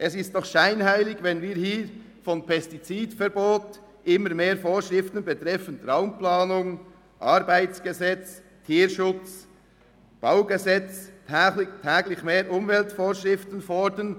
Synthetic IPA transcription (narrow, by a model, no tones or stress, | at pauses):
ʔɛsɪstnɔχʃaɪnhaɪlɪɡvɛnviːɾhiː | fɔnpʰɛstit͡siːdfɛɾboːt | ʔɪməɾmeːɾfoːʃʁɪftənbɛtɾɛfəntraʊmplaːnʊŋ | ʔɑɾbaɪt͡sɡ̥ɛzɛt͡s | tʰiːɾʃʊt͡s | b̥aʊɡɛzɛt͡sːɪtʰɛːɡlɪçmeːɾʔʊmvɛltfoːɾʃʁɪftənfɔɹdən